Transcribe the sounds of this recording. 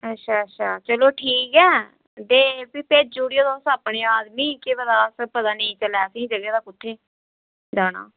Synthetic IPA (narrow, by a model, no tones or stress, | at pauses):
ətːʃʰaːətːʃʰaːt͡ʃəloːʈʰiːkɛː | d̪eːbiːped͡ʒuːɽijoːd̪oːsəːpɳeːaːd̪miːkɪbəd̪aːsəpəd̪aːnə̃ĩːt͡ʃəlɛːəsĩːd͡ʒəɡaːd̪aːkʊt̪ʰːeː | d̪aːña̰ː